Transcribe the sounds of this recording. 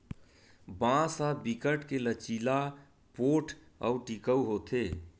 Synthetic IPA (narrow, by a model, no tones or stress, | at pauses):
bãsabikəʈkelət͡ʃila | poʈʰəuʈikəuɦot̪ʰe